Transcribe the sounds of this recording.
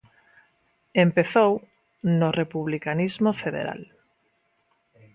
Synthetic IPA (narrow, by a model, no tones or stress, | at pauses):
empeθow | norepuβlikanizmofeðḛɾa̰l